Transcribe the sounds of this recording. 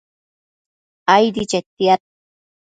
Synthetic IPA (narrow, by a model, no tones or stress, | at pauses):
ajd̪it͡ʃet̪ːiat̪̚